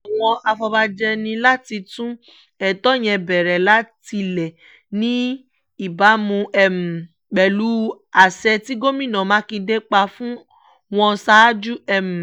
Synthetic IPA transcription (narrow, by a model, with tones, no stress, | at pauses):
ɔ˨w̃ɔ̃˧ʔa˧fɔ˧ba˧d͡ʒɛ˧nĩ˧la˦ti˧tũ˦ | ɛ˨tɔ˦j̃ɛ̃˧bɛ˨ɾɛ˨la˦ti˧lɛ˨ | nĩ˦ | i˨ba˨˦mũ˧ɛ˦m̩˨ | k͡pɛ˨lu˦ | a˨sɛ˧ti˦ɡo˦mĩ˦˨nã˨mã˨˦kĩ˧de˦k͡pa˧fũ˦ | w̃ɔ̃˧sa˦d͡ʒu˦ɛ˨m̩˨